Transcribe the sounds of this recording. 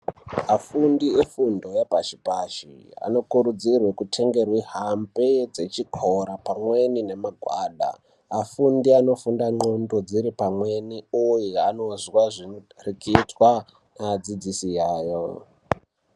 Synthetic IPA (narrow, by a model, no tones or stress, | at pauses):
afundiefundo̞japaʃipaʃḭa̰no̞kuɾud͡zirwe̞kutʰe̞ŋɡe̞rwiɦambed͡ze̞t͡ʃikʰoɾapamwe̞nine̞maɡʱwa̰ːɗa̰ː | fundiano̞fundaŋ͡ǃondo̞d͡ziɾipamwe̞niujiano̞zwaʐirikitwa | nad͡zid͡zisijaːjo